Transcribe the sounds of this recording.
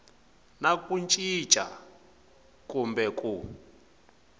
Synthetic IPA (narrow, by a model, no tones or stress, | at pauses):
nakʼunt͡ʃʼi̥t͡ʃʼa̰ | kʼumbɛkʼu